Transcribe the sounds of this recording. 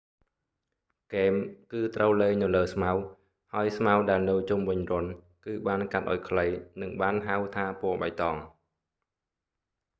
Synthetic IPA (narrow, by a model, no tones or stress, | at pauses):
keːmkɨːt̪rʔəwleːnɨləːsmaw | haəjsmawɗaɛlnɨwt͡ɕumʋɨɲrʊ̆ən | kɨːɓaːnkat̪̚ʔa̰ɔjkʰləjnɨŋɓaːnɦawt̪ʰaːpʊəɓa̰jt̪ɑːŋ